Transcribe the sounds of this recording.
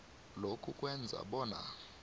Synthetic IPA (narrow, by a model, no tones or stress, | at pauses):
lokʰukʼwɛnd͡zʱa̰ɓɔːna̰